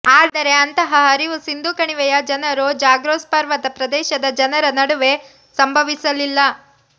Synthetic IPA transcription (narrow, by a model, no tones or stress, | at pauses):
aːd̪ɐɾe̞ɐnt̪ɐɦɐɦɐɾiʋusind̪ukɐɳiʋɛjɐd͡ʒɐnɐɾod͡ʒaːɡɾoːspɐɾʋɐt̪ɐpɾɐd̪ɛːʃɐd̪ɐd͡ʒɐnɐɾɐnɐɽuʋe̞ | sɐmbʱɐʋisɐlilːɐ